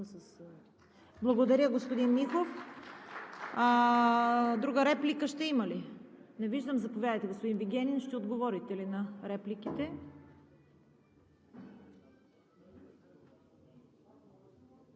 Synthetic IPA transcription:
ss | blˠɐɡod̪ɐɾʲəɡospod̪inːixof | d̪ɾuɡəɾɛplikəʃt̪ɛimɐlinɛviʒd̪əmzɐpovjad̪əjt̪ɛɡospod̪inviɡʲɛninʃt̪ɛod̪ɡovɔɾit̪ɛlinɐɾɛplikit̪ɛ

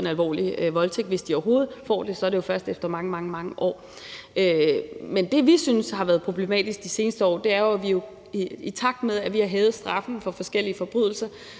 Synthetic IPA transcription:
enælʋɒ̰ːliʋɒ̽lt͡sʰeɡ̥ʋe̝sd̥iɒɐɦo̝ːð̩ˠfɒ̰ːd̥e̝sɒ̽æɐɾe̝jo̝fɶɐsd̥efd̥ɐmɑ̈ŋəmɑ̈ŋəmɑ̈ŋəʔɒ̰ː | ʔømend̥e̝ʋisynshɑ̈ʋæːɐðˠpʰʁo̝b̥le̝mɛ̰ːd̥isɡ̥̚d̥ise̝ːnəsd̥əɒ̰ːd̥e̝æɐjo̝æʋijo̝ | it͡sʰɑ̈ɡ̥̚d̥meðˠæʋihɑ̈ɦɛːʊð̞̩ˠsd̥ʁɑ̈fn̩fɒ̽fɒ̽sɡ̥el̰iəfɒ̽b̥ʁy̰ðˠl̩sɐ

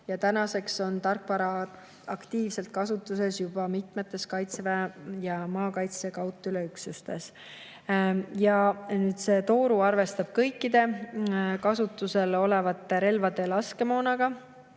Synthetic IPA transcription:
jɑt̪ænɑse̞kso̞nt̪ɑrkpɑɾɑ | ɑkt̪iːvse̞lt̪̚kɑsut̪ːˑuse̞sjub̥ɑmit̪met̪ːˑe̞skɑjt̪sevæjɑmɑːkɑjt̪sekɑwt̪ːˑyleyksust̪e̞s | jɑnyːd̪̥se̞ːt̪o̞ːɾuɑrve̞st̪ɑb̥̚kɤjkːˑid̪̥e̞ | kɑsut̪ːˑuse̞lo̞le̞vɑt̪ːeɾe̞lvɑd̪e̞lɑske̞mo̞ːnɑɡ̥ɑ

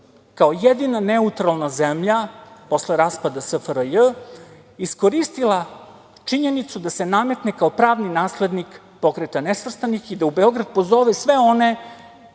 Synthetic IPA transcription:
kaojed̪inane̞ut̪ɾalˠnazemʎapo̞sleɾaːspad̪asəfəɾəjə | isko̞ɾist̪ilˠa | t͡ʂiɲe̞nit̪sud̪ase̞name̞t̪nekao̞pɾaːʋninaːsled̪nik | po̞kɾet̪anesvr̩st̪anixid̪aubeo̞ɡɾad̪̚po̞zo̞ʋesʋe̞o̞ne̞

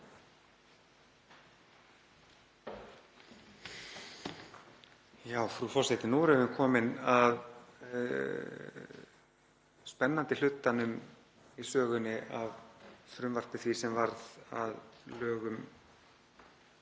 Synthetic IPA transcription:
jaːwfɾufɔ̥sɛt̪ɪnuɾɛvɪnkʰɔːmɪnað | spɛnːant̪ɪl̥ʏt̪ːanʏm | isœːɣʏnːɪʔavfɾʏmvar̥pɪθvisɛmvaɾða̰ðlœːɣʏm

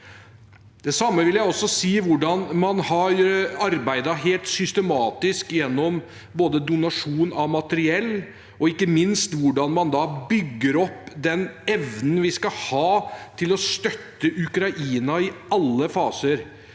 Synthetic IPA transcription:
d̪̥ɛsɑmːəʋɪljæɪɔsːɔsiːʋʊɖɑnmɑnhɑɾɑɾbæɪd̪ɑɦeːlt̪sʏst̪əmɑːt̪ɪskjɛnːɔm | boːd̪əd̪ʊnɑʂuːnɑmɑt̪əɾɪɛlː | ɔɪkːəmɪnst̪ʋʊɖɑnmɑnd̪ɑːbʏɡːəɾɔpːd̪ɛnɛʋnn̩ʋɪskɑhɑːt̪ʰɪlɔst̪œt̪ːəʔʉkɾɑʔiːnɑɪɑlːəfɑːsəɾ

